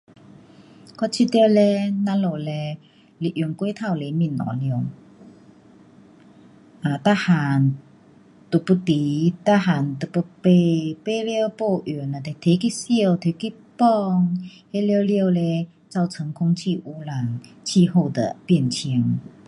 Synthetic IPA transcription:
kɔ˦˥t͡ɕʰi˧t̪jlɛ˧na˧˦nlo˨˩lɛ˧ | li˧˨ʔju˨˩nkwe˦t̪ʰa˥˨wle˧˦mi˧˨nːɔ̰̃˨˦ljŋ | ʔa˨˩t̪a˦˧ha˨n | t̪u˨˩pu˧t̪i˨˦t̪a˧˥ɦa˨˩nt̪ə˨˩pu˧pe˧pe˧˦ljpo˥˧ʔu˨˩na˨˩t̪e˨t̪ʰe˨˧˦ki˦˧˥si˥˧˨wt̪ʰe˨˦ki˦˧˥ | pɔ˥˧ŋhe˦ljə˧lji˧˨wlɛ˧ | t͡sa˥˧˩wt͡sʰə˨˧˦ŋkʰʊ˧ŋt͡ɕʰi˥˧˨ʔu˧la˨˩ŋ | t͡ɕʰi˥˧˨ɦo˥˧˨d̪ə̰˨pji˥˧˨nt͡ɕʰi˧˦əŋ

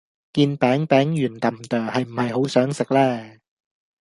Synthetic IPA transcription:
kiː˧npɛː˨˥ŋpɛː˨˥ŋjyː˨˩nt̪ɐ˨˩mt̪œː˨˩hɐ˨jm̩˨˩hɐ˨jho˨˥wsœː˨˥ŋsɪ˨k̚lɛː˥˩

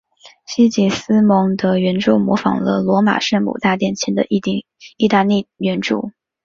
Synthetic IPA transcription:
ɕi˥t͡ɕi˨˩sɹ̩˥mɤ˧˥ŋd̪ə˧ɥɛ˧˥nʈ͡ʂu˥˩ʊmwɔ˧˥fɑ̰˨˩ŋlə̰˦lwɔ˧˥ma̰˨˩ʂə˥˩nmṵ˨˩t̪a˥˧t̪jɛ˥˩nt͡ɕʰi˧˥nd̪ə̰˧˥˧ | i˥˧t̪a˥˧li˥˩ɥɛ˧˥nʈ͡ʂṵ˥˩˦

